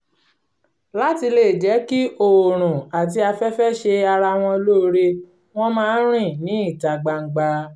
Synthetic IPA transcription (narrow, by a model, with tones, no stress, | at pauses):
la˨˦ti˧le˦˨d͡ʒɛ˨˦ki˦ʔo˦˨ɾ̃ũ˨a˨t̬i˧˦a˧fɛ˦fɛ˦ʃe˧a˧ɾa˧w̃ɔ̃˧lo˦˧ɾe˧ | w̃ɔ̃˦mãː˦ɾ̃ĩ˦˨nĩ˨˦i˦˨ta˨ɡ͡ba˧ŋ̩˨ɡ͡ba˧